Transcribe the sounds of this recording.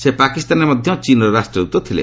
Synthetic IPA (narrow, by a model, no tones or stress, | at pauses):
sepakist̪anemɔd̪ʱjɔt͡ʃinɔɾɔɾasʈɾɔɾut̪ɔt̪ʰilḛ